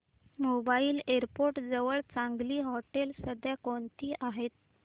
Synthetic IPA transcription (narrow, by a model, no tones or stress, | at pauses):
mobaiːleɾpoɾʈd͡zəʋəɭt͡sãŋɡliːɦɔʈelsəd̪jakoɳt̪ʰiːʔaɦet̪̚